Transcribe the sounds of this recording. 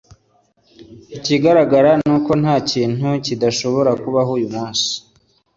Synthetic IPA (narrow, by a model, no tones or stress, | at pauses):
iciɡaɾaɡaɾanuːko̞n̥haːciːn̥hucidaʃo̞βo̞ɾakuβaɦuːjumaːnsi̥